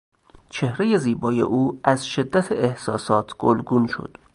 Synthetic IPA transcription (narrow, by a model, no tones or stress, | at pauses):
t͡ʃʰe̞hɾe̞je̞ziːbɒːjḛʔuːæzʃe̞d̪ːæt̪ʰeehsɒːsɒːt̪ʰɡ̥olɡunʃo̰d̪̥